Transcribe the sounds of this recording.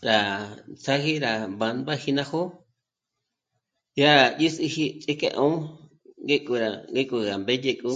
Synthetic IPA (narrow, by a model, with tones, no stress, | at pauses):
ɾa˨t͡sa˦ɣi˦ɾa˨βa˨˧nba˦hi˧nã˧ho˦ | ja˦ɾa˨ji˦si˧hi˦t͡sʼi˦kḛ˦˧ʔõ˦ | ŋɡe˦kʼu˧ɾa˨ɡe˦kʼu˧ɣa˨mbe˦je˧kʼu˦